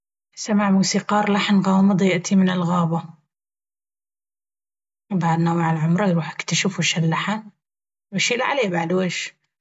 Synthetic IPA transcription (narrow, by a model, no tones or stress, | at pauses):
samaʕmuːsiːqɑːɾˤlaħnɣɑːmɨd̪ˤjɪʔt̪ʰimɪnɪlɣɑːba | baʕd̪nawaʕalʕʊmɾˤɑjɾuːħɪkt̪aʃɪfwʃalːaħan | waʃiːlaʕaleːbaʕd̪weːʃ